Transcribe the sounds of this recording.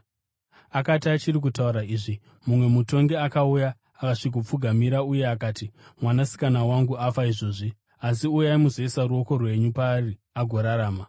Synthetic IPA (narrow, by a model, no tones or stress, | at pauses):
akatiat͡ʃirik̬utauɾaiːʐi | mumwe̞muto̞ŋɡe̞akaujaː | kaʂikup͡fuɡʱamiɾauje̞akaːtimwanasi̥kanawaŋɡuafaiʐo̞ːʐi | asiujaimuzeisaɾuo̞ko̞rwe̞ɲupaːri | aɡʱo̞ɾaɾaːma